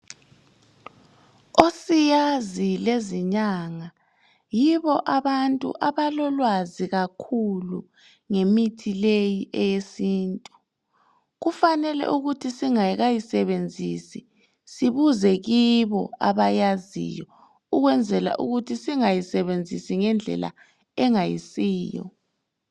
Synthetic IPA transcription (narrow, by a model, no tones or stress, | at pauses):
osijazileziɲaːŋa | jiβɔʔaβantʼṵʔaβalɔlwaziɣakʰulṵ | ŋemitʰilejiʔɛjesiːntʼu | ɣufanɛlɛ̰ʔuɣutʰisiŋajiɣajisɛβend͡zʱisi | siβuzɛɣiβɔ̰aβajazḭjɔ | uɣwɛnd͡zʱɛla̰ʔṵɣutʰisiŋajisɛβend͡zʱḭsiŋɛnd͡ɮʱɛ̰la̰ | ɛŋajḭsiːjɔ̰